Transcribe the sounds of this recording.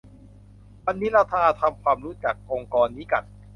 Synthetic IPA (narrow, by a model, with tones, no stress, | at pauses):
wa˧nːi˦˥ɾaː˧t̪ʰaː˧t̪ʰa˧mkʰwaː˧mɾu˦˥t͡ɕa˨˩k̚ʔo˧ŋkɔː˧nːiː˦˥ka̰˨˩t̪̚